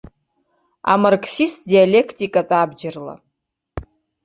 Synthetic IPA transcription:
a̰markʰsistdialʲekʰtʼikʼatʼabd͡ʒɪrla̰

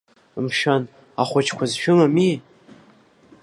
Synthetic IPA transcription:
mʃan | aχʷʊt͡ʃʰkʷʰazʃᶣʊmami

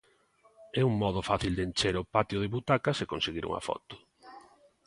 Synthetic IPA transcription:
ɛuŋmɔð̞ʊfaθild̪ent͡ʃeɾʊpat̪jʊð̞ɪβut̪akasekõnseɣiɾṵŋa̰fɔ̰t̪ʊ̥

